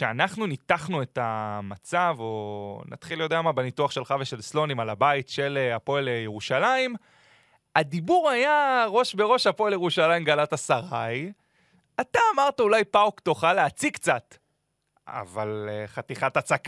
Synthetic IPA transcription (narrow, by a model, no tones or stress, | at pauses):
ʃeanaχnunit̪aχnue̞tamat͡savo̞na̰t̪χiljo̞d̪eamabenituaχʃe̞lχave̞ʃe̞lslo̞nimalabaitʃe̞leapo̞elejeʁuʃalaim | adibuʁajaʁo̞ʃbe̞ʁo̞ʃapo̞eljeʁuʃalaimɡalatasaʁaj | at̪aːmaʁtaulajpaokt̪oχaleat͡sikt͡sat̪ | a̰valχat̪iχatat͡sak